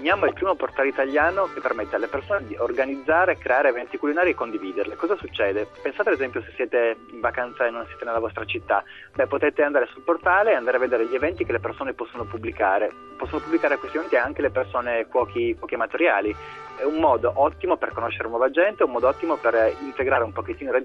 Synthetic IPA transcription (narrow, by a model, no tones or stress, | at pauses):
njaːmoilpɾiːmoport̪alit̪aʎːaːnokepːermɛt̪ːalepersoːned̪iʔorɡanid̪zːaːɾekɾʔeaːɾeːvɛnt̪ikulːinaːɾiekːond̪iviːd̪erlekɔzasut͡ʃːɛːd̪epensat̪ead̪ezɛmpjose̥sːjɛːt̪eiɱvakant̪saenːonsjeːt̪enelːavɔst̪ɾat͡ʃit̪ːa | bɛpːot̪ɛːt̪eand̪aːɾesulport̪aːleːand̪aɾeavːed̪eːɾeʎːievɛnt̪ikelepersoːnepɔsːonopubːlikaːɾe | pɔsːonopubːlikaːɾekwest̪iɛvɛnt̪iɛaŋkelepersoːnekwɔːkʰikwɔːkiemat̪eɾja̰ːli | ɛummɔːd̪oʔɔt̪ːimoperkonoʃːeɾenwɔːvad͡ʒɛnt̪eɛumːɔːd̪oɔt̪ːimoperint̪eɡɾaːɾeumpoket̪ːiːnoɾe